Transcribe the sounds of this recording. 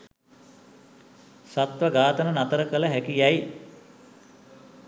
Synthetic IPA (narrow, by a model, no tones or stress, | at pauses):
sat̪ʋəɡaːt̪ənənat̪əɾəkələɦækijɛj